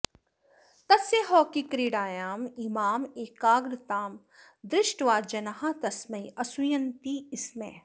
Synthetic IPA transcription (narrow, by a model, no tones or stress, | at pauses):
t̪ɐseɦɔːkikɾiːɽaːjaːmimaːmeːkaːɡɾt̪aːm | d̪ɾɪʃʈʋaːd͡ʒɐnɐɦãt̪ɐsmɐjɐsʊjɐnt̪iɪsmḛː